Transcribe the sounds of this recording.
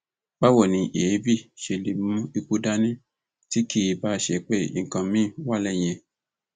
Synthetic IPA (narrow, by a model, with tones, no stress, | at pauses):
ba˦wɔ˦˨nĩ˧ʔe˨˦bi˦˨ʃe˧le˨mũ˦i˧ku˦da˦nĩ˦ | ti˦ki˦˧ba˦ʃe˧˨k͡pe˦˨ḭ˨ŋ̩˨kã˨˧mĩ˦˨wa˦lɛ˦˨j̃ɛ̃˧